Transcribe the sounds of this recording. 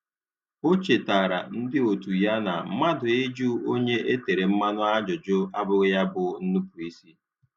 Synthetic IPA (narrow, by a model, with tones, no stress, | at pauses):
o˦t͡ʃe˨ta˨ɾa̰˨n̩˦dɪ˦o˨tu˨ja˦na˨˦ma˦dʊ˨ɪ˦d͡ʒu˦o˦ɲe˦ʔe˦te˨ɾe˨m̩˦ma˦nʊ˦a˦d͡ʒʊ˨d͡ʒʊ˦a˦bʊ˦ɣɪ˦ja˦bʊ˨n̩˦nʊ˦pʊ˨i˦si˦